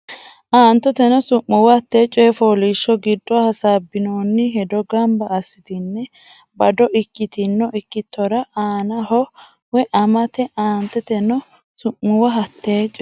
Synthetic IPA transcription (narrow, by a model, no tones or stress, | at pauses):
ʔaːnt̪ːɔt̪ɛnɔsʊʔːʊwɐhɐt̪ːe̞ːt͡ʃʼːɔjɛfoːliʃːɔɡɪd̪ːɔahɐsaːbːɪnoːnːɪɦɛd̪ɔɡɐmbɐːsɪt̪ɪnːɛ | bɐd̪ɔʔɪkːɪt̪ɪnːɔʔɪkːɪt̪ːɔɾɐʔaːnɐɦɔ | wɛʔɐmɐt̪ɛʔaːnt̪ɛt̪ɛnɔ | sʊʔːʊwɐɦɐt̪ːeːt͡ʃʼɔ